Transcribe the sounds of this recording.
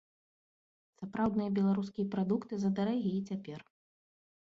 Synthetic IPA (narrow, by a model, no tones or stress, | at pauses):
sapɾawd̪nɨjɐbʲɛlˠaɾus̬kʲijɐpɾad̪ukt̪ɨzɐd̪aɾaɣʲiit͡sʲapʲɛr